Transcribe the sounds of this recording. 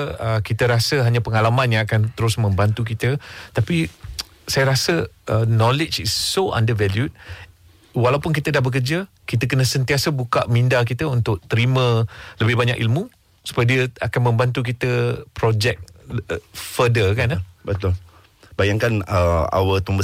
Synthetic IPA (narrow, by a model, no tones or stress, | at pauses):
əkit̪əɾasəɦaɲãpəŋalamanjãŋakant̪əɾʊsmə̃mbant̪ukit̪ət̪api | sajəɾasəənɔ̃lɪt͡ʃisːoã̰ndəvɛljut̚ | walawpʊnk̬it̪ədahbək̬ərd͡ʒə | kit̪ək̬ənə̃sənt̪iasəbuka̰ʔmĩndak̬it̪əunt̪ʊʔ̚t̪əɾimə̃ləbɪhbaɲakʔḭlmũ | su̥pajdiəakanmə̃mbant̪̬uk̬it̪əpɾod͡ʒɛk̚ | fədəkanbət̪ʊl | bajaŋkanəa̰wət̪umbə